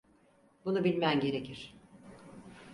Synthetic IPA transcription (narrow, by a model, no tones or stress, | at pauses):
bunubilʲmæmɟe̞ɾe̞cʰiɾ̥